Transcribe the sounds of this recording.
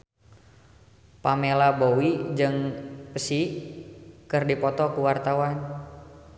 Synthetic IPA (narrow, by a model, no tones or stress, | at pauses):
pamelabowid͡ʒɨŋpəsɪh | kɨrdipɔt̪ɔkuwart̪awan